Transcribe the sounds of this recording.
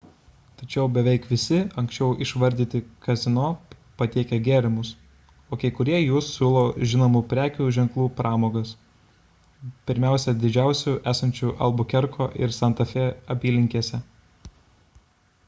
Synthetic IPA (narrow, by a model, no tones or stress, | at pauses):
t̪ɐt͡ʃʲɛʊbʲɛʋʲɛɪkʋʲɪsʲɪɐŋksʲt͡ʃʲɛʊʔɪʃʋɐɾʲd̪ʲiːt̪ʲɪkɐzʲɪnoː | pɐt̪ʲiɛkʲɛɡʲæːɾʲɪmʊs | oːkɐɪkʊɾʲiɛjuːsːʲuːlˠoːʒʲɪnoːmupʲɾʲæːkʲuːʒʲɛŋklˠuːpɾɑːmoːɡɐs | pʲɪɾʲmʲæˑʊsʲɛd̪ʲɪd͡ʒʲæˑʊsʲuʔæːsɐnʲt͡ʃʲuːʔɐ̰lˠbʊkʲɛɾkʰoːʔɪɾsɐnt̪ɐfʲɛɐpʲiːlʲɪŋʲkʲiɛsʲɛ